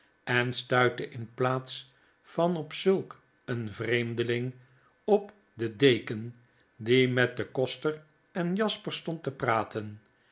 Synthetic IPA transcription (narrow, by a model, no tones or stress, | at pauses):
ɛnstœɥtəʔɪnplaːts | fɑnɔpsɵlˠk | ənvrejmdəlɪŋ | ɔp | dədejkən | dimɛt̚dəkɔstər | ɛnjɑspəɹstɔntəpraːtʰən